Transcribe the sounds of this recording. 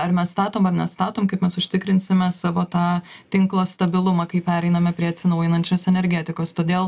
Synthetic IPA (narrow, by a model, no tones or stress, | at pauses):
ɐɾmʲɛsst̪ɑːt̪oːmɐrnʲɛst̪ɑːt̪oːmkɐɪpmʲɛsʊʃʲt̪ʲɪkɾʲɪnʲsʲɪmʲɛsɑːʋoːt̪ɑː | t̪ʲɪŋklˠoːst̪ɐbʲɪlˠʊmɑkɐɪpʲæːɾʲɛɪnɐmʲɛpʲɾʲiɛɐt̪ʲsʲɪnɐʊjɪnɐnʲt͡ʃʲoːsɛnʲɛɾʲɡʲæːt̪ʲɪkoːst̪oːd̪ʲeːlˠ